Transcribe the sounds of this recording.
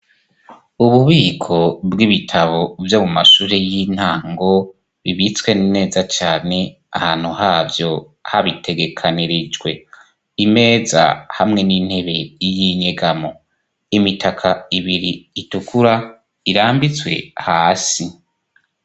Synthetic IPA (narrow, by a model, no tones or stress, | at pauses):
uβuβiːkʰo̞bɡiβitʰaβo̞vjoːmumaʃuːɾejin̥haːŋɡo̞ | βiβit͡swe̞nine̞ːzat͡ʃaːne̞ | a̰haːn̥huhaːvjo̞ | haβitʰe̞ɡe̞kʰaniɾid͡ʒɡwe̞ | ime̞ːza̰hamŋe̞niːn̥he̞βe̞jiɲeɡamo̞ | imitʰakʰaiβiɾiːtukuɾa | iɾaːmbit͡swe̞̰haːsi